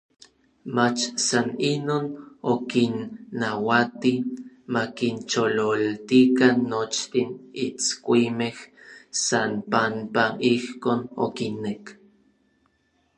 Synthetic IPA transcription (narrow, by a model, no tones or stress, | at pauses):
mat͡ʃsaninoːnokinːawat̪i | makint͡ʃololt̪ikanːot͡ʃt̪init͡skʷimehsanpampaʔihkoːno̰kinːek